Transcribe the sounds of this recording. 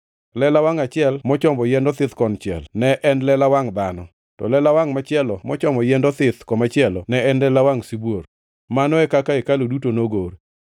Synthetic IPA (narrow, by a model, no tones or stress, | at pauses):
lɛlawaŋat͡ʃɪɛlmɔt͡ʃɔmbɔjɛndɔt̪ɪt̪kɔnt͡ʃɛ̰lnɛʔɛnlɛlawaŋd̪anɔ | tɔ̰lɛlawaŋmat͡ʃɪɛlɔmɔt͡ʃɔmbɔjɛndɔt̪ɪt̪kɔmat͡ʃɪɛlɔnɛɛnlɛlawaŋsibwoɾ | manɔɛkakaekalodutonoɡor